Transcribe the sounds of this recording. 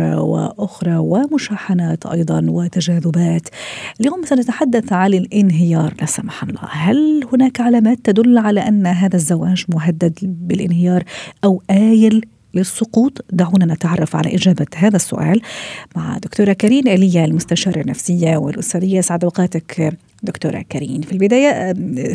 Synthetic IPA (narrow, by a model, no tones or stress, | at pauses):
wɪ̰ʔʊxɾˤɑwɪmʊʃaːħanaːt̪ʔɑ̰jd̪ˤɑnwɪt̪aʒaːðʊbaːt̪ʔɪljoːmsanat̪aħad̪ːaθʕanɪlʔɪnɦɪjɑːɾˤlasamaħɑnlˤːɑ̰ːhalhʊnaːkʕalaːmaːt̪ːad̪ʊlːʕalaʔanːɦaːðazːawaːʒmʊɦad̪ːad̪bɪlʔɪnhɪjɑːɾˤʔawʔaːjɪlː | ɪsˤːʊquːt̪ˤd̪aʕuːnanɪt̪ʕɑrˤːɑfʕa̰la̰ʔɪd͡ʒaːbaɦaːðasːʊ̰ʔaːlmaʕd̪ʊkt̪uːɾˤakaɾiːnʔalɪjːalmʊst̪aʃɑːɾˤanːafsɪjːawɪ̰lʔʊ̰saɾɪjːaʔɪsʕad̪wqɑːt̪ak | d̪ʊkt̪ṵːɾˤa̰kaɾḭːnfilbɪd̪aːja